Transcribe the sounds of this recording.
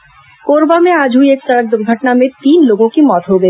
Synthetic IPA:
koːɾbamẽad͡ʒʱuieksaɾək̚d̪uɾɡʱəʈnamẽt̪iːnloːɡõkimɔt̪ɦoɡə

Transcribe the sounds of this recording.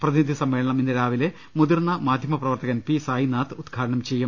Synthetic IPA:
prɐðinid̪ʱisɐmːe̞ːɭɐɳɐminːɐɾaːʋile | mud̪irnɐmaːd̪ʱjɐmɐprɐʋɐrt̪ɐɣɐnpisaːjinaːt̪ɨud̪ɡʰʱaːɾɐɳɐmt͡ɕe̞jːum

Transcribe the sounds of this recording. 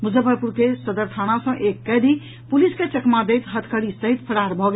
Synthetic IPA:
mud͡ʒəbʱəɾpuɾkesəd̪əɾt̪ʰañasə̃ʔekːɛd̪i | pulisket͡ʃəkmad̪ejt̪ɦət̪ʰkəɽisəɦit̪̚pʰəɽaɾbʱɔɡe

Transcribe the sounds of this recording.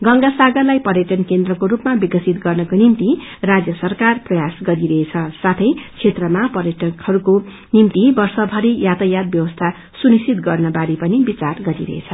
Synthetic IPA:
ɡʌŋɡasaɡʌrlajpʌrjʌʈʌnkend̪rʌkoɾupmabikʌsit̪ɡʌrnʌkonimt̪irad͡zjʌsʌrkarprʌjasɡʌɾiɾʌɦet͡sʰʌsat̪ʰʌjt͡sʰet̪rʌmapʌɾjʌʈʌkhʌɾuko | nimt̪ibʌrsʌbʱʌɾijat̪ʌjat̪̚bjʌwʌst̪ʰa | sunisit̪ɡʌrnʌbaɾipʌnibit͡sarɡʌɾiɾʌ̰ɦḛt͡sʰʌ

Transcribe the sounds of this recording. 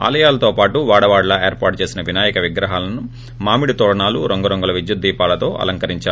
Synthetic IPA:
a̰ːlɐjaːlɐt̪o̞ːpaːʈuʋaːɽɐʋaːɽlɐeːɾpaːʈ̚t͡ʃeːsinɐʋinaːjɐkɐʋiɡɾɐɦaːlɐnu | maːmiɽit̪oːɽɐɳaːluɾoŋɡɐɾoŋɡɐlɐʋid͡ʒjut̪̚d̪iːpaːlɐt̪o̞ːʔɐ̰lɐŋkɐɾiɲt͡ʃaːu

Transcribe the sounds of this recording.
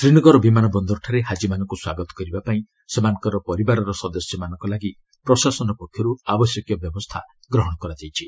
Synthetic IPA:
sɾiɽ̃ɔɡɔɾɔbimanɔbɔnd̪ɔɾʈʰaɾeɦad͡ʒimanɔŋkuswaɡɔt̪ɔ̥kɔɾibapaĩ | semanɔ̃ŋkɔɾɔpɔɾibaɾɔɾɔsɔd̪ɔsjɔmanɔŋkɔlaɡi | pɾɔsasɔnɔpɔkʰjɔɾuabɔsjɔkjɔbjɔbɔst̪ʰa | ɡɾɔɦɔɽ̃ɔkɔɾad͡ʒajt͡ʃʰi

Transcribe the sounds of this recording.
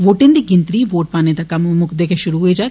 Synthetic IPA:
ʋoːʈɪnd̪iɡɪ̃nt̪ɾiːʋoːʈ̚paːned̪akɐmmʊkʰd̪eːkeʃʊɾuɦoid͡ʒaː

